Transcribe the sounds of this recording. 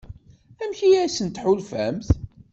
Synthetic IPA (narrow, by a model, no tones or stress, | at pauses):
æmçijæsənt̪ħʊlfæmθ